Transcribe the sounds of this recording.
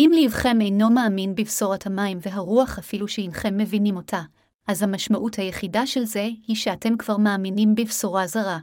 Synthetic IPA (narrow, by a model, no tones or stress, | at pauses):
ʔimliːvχe̞me̞jno̞maːminbivsoʁathamaimveɦaʁuaχafiluʃeinχe̞mːe̞vinimo̞tʰa | ʔazhamaʃmaʔuthajeχidaʃe̞lze̞hiʃeate̞mkv̥aʁmaːminimbivsoʁazaʁa